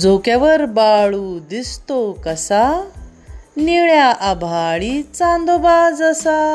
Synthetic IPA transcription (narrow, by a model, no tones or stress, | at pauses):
d͡zokaʋəɾbaɭud̪ist̪okəsa | niɭjaʔabʱaɭit͡sãnd̪obad͡zasa